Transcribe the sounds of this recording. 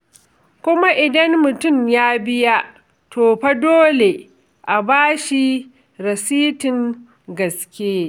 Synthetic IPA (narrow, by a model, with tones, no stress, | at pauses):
kʷʊ˦ma˦ʔɪ˨dɐ˦mmʊ˨tʊ˦˨mjaː˦bɪ˦ja˦ʔ | tʰoː˨ɸɐ˦doː˦le˨ | ʔa˨baː˦ʃi˦ | ɾɐ˨siː˦tɪ˨ŋ | ɡɐ˨skʲeː˦